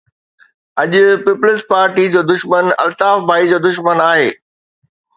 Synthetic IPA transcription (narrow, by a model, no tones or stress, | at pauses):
ɐʄʊ̆pɪpʊlɪspaːɾʈid͡ʑoːd̪ʊʃmənɐ̰lt̪aːfbʱaːid͡ʑoːd̪ʊʃmənaːɦeː